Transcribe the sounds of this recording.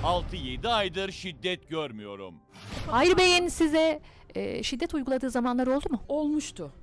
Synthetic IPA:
alˠt̪ʰɯjed̪iajd̪ɯɾʃid̪ːɛt̪̚ɟøɾmyjo̞̰ɾṵm | ajɾbe̞jɛnsizɛ̰ː | ʃid̪ːɛt̪ujɡulˠad̪ɯːzamanlˠaɾo̞lˠd̪umʊolˠmuʃt̪ʰʊ

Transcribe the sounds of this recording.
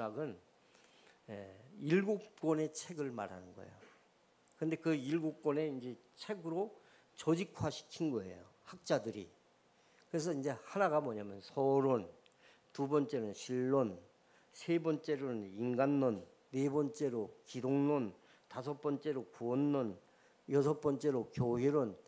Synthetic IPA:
aɡɯn | jḛiɭɡok̚k͈ʌne̞t͡ɕʰe̞ɡɯɭma̰ɾa̰nɯnɡʌ̰ḛjo | kɯnde̞kɯiɭɡok̚k͈wʌne̞ind͡ʑe̞t͡ɕʰe̞ɡɯɾo | t͡ɕʌd͡ʑikʰwaɕʰi̥kʰinɡʌe̞̰jo | hak̚t͡ɕ͈adɯɾḭ | kɯɾe̞s̬ʰʌind͡ʑe̞hanaɡamwʌɲamjʌnsʰʌɾon | tubʌnt͡ɕ͈e̞nɯnɕʰiɭːon | sʰe̞bʌnt͡ɕ͈e̞ɾonɯninɡanːonː | e̞bʌnt͡ɕ͈e̞ɾokidoŋnon | tasʰʌp͈ʌnt͡ɕ͈e̞ɾokuʌnːʌn | jʌsʰʌp͈ʌnt͡ɕ͈e̞ɾokjoɦiɾon

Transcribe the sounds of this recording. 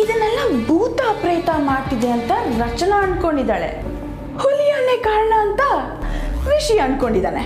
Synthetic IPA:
id̪ɐnːɛlːɐbʱuːt̪aːpɾejt̪ɐmaːʈid̪eɐnt̪ɐɾɐt͡ʃɐnɐːnko̞ɳɖid̪aːɭḛ | hulijaːnekaːɾɐɳɐːnt̪ɐ | ʋiʂɐjɐɐnko̞ɳɖid̪aːne

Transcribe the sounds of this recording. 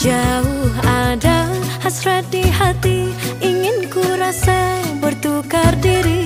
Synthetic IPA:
d͡ʒaʊhadahasɾat̪̚dihat̪iʔiŋɪnkuɾasajbərt̪ukardiɾi

